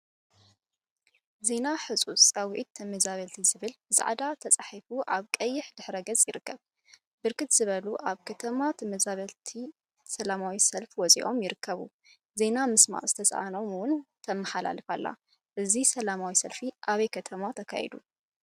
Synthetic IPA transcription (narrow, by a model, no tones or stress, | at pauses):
ze̞naħɨt͡sʼut͡sʼɐwʕit̪ʰːɨmɨzaβɐlt̪ʰizɨβɨlbɨza̰ʕd̪at̪ʰɐt͡sʼaħifuʔaβkʼɐjːɪħd̪ɨħɾɐɡɐt͡sʼjɪɾɨkːɐβ | b̥ɨɾkʰɨt̪z̥ɨβɐluʔaβkʰɐt̪ʰɐmat̪ʰɨmɨzaβɐlt̪ʰi | sɐlamawisɐlfwɔt͡sʼḭʔo̞mjɪɾɨkʰːɐβṵ | ze̞namɨsma̰ʔzɨt̪ʰɐsʔa̰no̞mwʊnt̪ʰɐmːɐħala̰lɨfa̰lːa̰ | ʔɨzisɐlamawisɐlfiʔaβɐjkʰɐt̪ʰɐmat̪ʰɐkʰa̰jɛ̰d̪u